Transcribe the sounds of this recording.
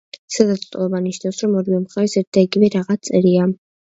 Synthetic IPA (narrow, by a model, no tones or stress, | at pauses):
sad̪at̪sʼt̪ʼɔlˠɔbaniʃnafsɾɔmɔɾivɛmχɛɾsɛɾt̪̚d̪aiɡivɛɾaʁat̪sʼɛɾia